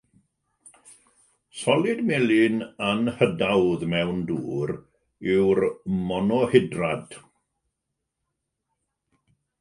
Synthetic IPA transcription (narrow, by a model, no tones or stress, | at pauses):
sɔlˠɪdmɛlɪnanhədawðmɛwndṵːɾ | ɪwrmɔnɔhɪdrad̥